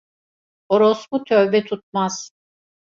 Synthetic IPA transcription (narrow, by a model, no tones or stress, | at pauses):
oɾosbut̪ʰøvbɛt̪ʰut̪̚maz̥